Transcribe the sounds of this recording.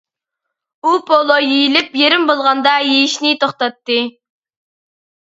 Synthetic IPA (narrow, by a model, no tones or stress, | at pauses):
upʰolˠojejilɪpjeɾɪmbolˠʁɑnd̪ɑjejiʃnɪt̪ʰoχt̪ɑt̪ːɨ